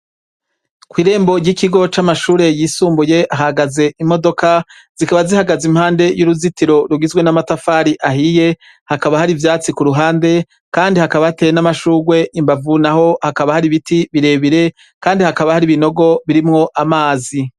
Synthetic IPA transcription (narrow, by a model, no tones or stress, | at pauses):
kwiːɾe̞ːmbo̞ɾɟikiɡo̞t͡ʃamaʃuːɾe̞jiːsuːmbuje̞ʔaɦaɡaze̞ʔimo̞do̞ka | z̥ikaβazihaɡazim̥haːnde̞juɾuzitiɾo̞ɾuɡizwe̞namatafaːɾiʔaɦije̞ | hakaβahaɾivjaːt͡sikuɾuɦaːnde̞ | kaːndihakaβaate̞ːjenamaʃuːɡwe̞ʔimbavunaho̞hakaβahaɾiβitiβiɾe̞ːβiɾe̞ | kaːndihakaβahaɾiβino̞ɡo̞βiɾimŋo̞ʔamaːzi